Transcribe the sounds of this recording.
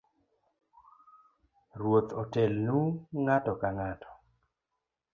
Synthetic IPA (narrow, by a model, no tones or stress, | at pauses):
rwot̪ɔtɛlnuŋatɔkaŋatʰɔ̥